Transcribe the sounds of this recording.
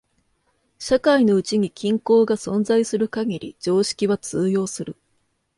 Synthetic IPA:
ɕakaino̞ɯ̟t͡ɕiɲ̟ikʲĩŋko̞ːɡasõ̞nd͡zaisɨɾɯ̟kaɡiɾʲid͡ʑo̞ːɕi̥kʲiβat͡sɨːjo̞ːsɨɾɯ̟

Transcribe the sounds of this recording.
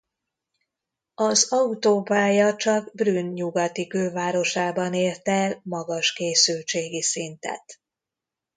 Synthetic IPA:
ɒzɒut̪oːpaːjɒt͡ʃɒɡbrynɲuɡɒt̪ikøːvaːɾo̞ʃaːbɒneːrt̪ɛlmɒɡɒʃkeːsylt͡ʃeːɡisint̪ɛ̰t̪

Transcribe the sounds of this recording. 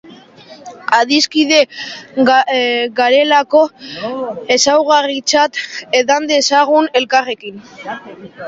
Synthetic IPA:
aðiskiðe̞ | ɣaɾe̞lako̞ | e̞sawɣ̞arit͡sat̪e̞ðand̪e̞saɣ̞une̞lkare̞kin

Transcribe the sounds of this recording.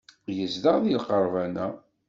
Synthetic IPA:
jəzðəʁðilqəɾˤvænæ

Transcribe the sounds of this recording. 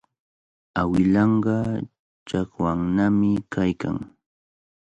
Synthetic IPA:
awɪlɑɴɢɑ | t͡ʃakwaŋnamɪkʰajka̰ŋ

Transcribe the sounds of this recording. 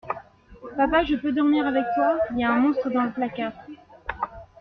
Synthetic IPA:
papaʒəpød̪ɔʁmiʁavɛk̚t̪wailjaɛ̃mɔ̃st̪χəd̪ɑ̃ləplakat

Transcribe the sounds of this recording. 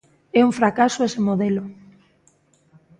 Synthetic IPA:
ɛuɱfɾakasoesemoðelʊ

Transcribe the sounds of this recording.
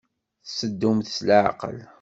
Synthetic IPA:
θsəd̪ːumθslaʕ̰qə̰l

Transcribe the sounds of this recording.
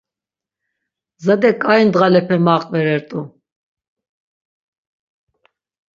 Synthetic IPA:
zad̪ɛkʼaind̪ʁalɛpʰɛmaːqʼvɛɾɛɾt̪ʼu

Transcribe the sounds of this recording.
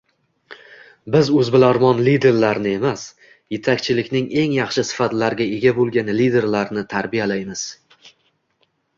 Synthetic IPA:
bɪzɵzbɪlaɾmɒnlid̪e̞ɾlaɾnɪe̞mas | je̞t̪ʰakʲt͡ʃʰɪlɪkʲnɪŋe̞ŋjɑχʃɪsɪ̥fat̪laɾɡʲae̞ɡʲabolˠɡʲanlid̪e̞ɾlaɾnɪt̪ʰaɾbijalajmɪz̥

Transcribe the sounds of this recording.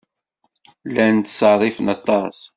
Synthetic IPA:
lænt̪sɑɾˤifənɑt̪ˤːɑs

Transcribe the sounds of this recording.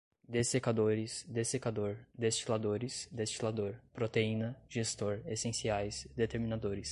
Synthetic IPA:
d̪esekad̪oɾɪsd̪esekad̪oɾd̪est͡ʃilad̪oɾɪsd̪est͡ʃilad̪oɾpɾot̪eĩnɐʒ̥est̪oɾesẽsiajsd̪et̪eɾminad̪oɾɪs

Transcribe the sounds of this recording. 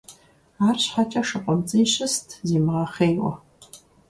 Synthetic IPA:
aːrɕħat͡ʃʼɐʂɨqʷʼɔmt͡sʼɨjɕɪstʰziːmʁɐχeːjwɔ̰

